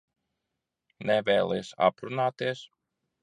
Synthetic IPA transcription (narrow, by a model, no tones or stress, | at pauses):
nɛvʲɛːlˠɛjsa̰pɾunaːt̪iɛs